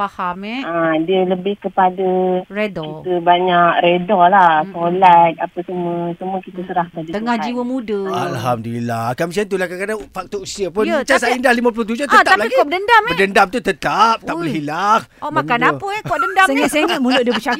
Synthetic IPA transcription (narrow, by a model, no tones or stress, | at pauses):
fahamɛadiələbɪhkəpadəredɔkit̪əbaɲak̚ɾedɔlasolat̪̚apəsəmuəsəmuəkit̪əsəɾahkadit̪əŋahd͡ʒiwəmũdəalɦamdiilakamis̬ant̪̬ulakakadaŋfak̚t̪ɔusiəpʊnt͡ʃasaindahlimap̬ulʊht̪̬ud͡ʒut̪əat̪aaplaiɡikkɔbədəndamədəndamt̪ut̪ət̪ap̪̚ːabəɦilahɔmakanapəɛkɔʔdəndasəŋaʔseŋat̪̚mulʊʔdiəbət͡ʃa